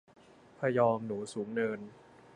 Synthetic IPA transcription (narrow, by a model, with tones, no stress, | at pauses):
pʰa˧jɔː˧mnuː˩˦suː˩˦ŋnɤː˧n